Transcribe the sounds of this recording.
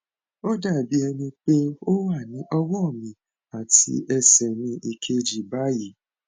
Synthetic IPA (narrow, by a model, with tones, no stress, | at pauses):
o˦da˦˨bi˨˦ɛ˧nĩ˧k͡pe˦o˦wa˦˨nĩ˨˦ʔɔ˦wɔ˦˨mĩ˨ | a˨tḭ˧˦ʔɛ˧sɛ˨nĩ˧ʔi˧kʰe˧d͡ʒi˨ba˨˦ji˨˦